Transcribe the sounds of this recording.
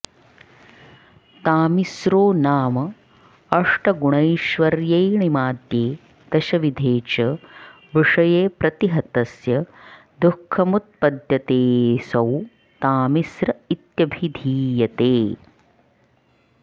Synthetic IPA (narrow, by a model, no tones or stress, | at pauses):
t̪aːmisɾoːnaːmɐ | ɐʂʈɐɡuɳɐjʃʋɐɾjɐjɳimaːd̪jeː | d̪̥ɐʃɐʋid̪ʱeːt͡ʃɐ | ʋiʂɐjeːpɾɐt̪iɦɐt̪ɐsjɐ | d̪ukʰːɐmut̪̚pɐd̪jɐt̪eːsɐw | t̪aːmisɾɐit̪jɐbʱid̪ʱiːjɐt̪eː